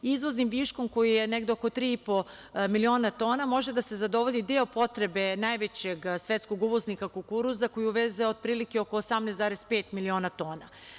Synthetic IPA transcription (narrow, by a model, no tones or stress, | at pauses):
izʋo̞znimʋiʃko̞mko̞jijeneɡd̪eoko̞t̪ɾiːipo̞ | milio̞ːnat̪o̞ːnamo̞ʒed̪ase̞zad̪o̞ʋo̞lʲid̪eopo̞t̪ɾe̞be̞najʋet͡ɕeɡsʋet̪skoɡuʋoznikakukuɾuzako̞jiuʋezeod̪̚pɾiːlikeokoːsamnezd̪aːɾespeːt̪milio̞ːnat̪o̞ːna